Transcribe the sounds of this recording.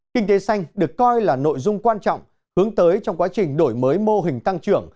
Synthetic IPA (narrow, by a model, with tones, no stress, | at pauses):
kï˧ŋ̟t̪e˨˦sa˧jŋ̟ɗɨ˨˩əkːɔ˧jlaː˨˩no̰˧˨jzʊ˧ŋ͡mkwaː˧nt͡ɕɔ̰˧˨wŋ͡m | hɨ˨˦əŋt̪əː˨˦jt͡ɕɔ˧wŋ͡mkwaː˨˦t͡ɕï˨˩ŋ̟ɗo˧˩jməː˨˦jmo˧ɦï˨˩ŋ̟t̪a˧ŋt͡ɕɨ˧˩əŋ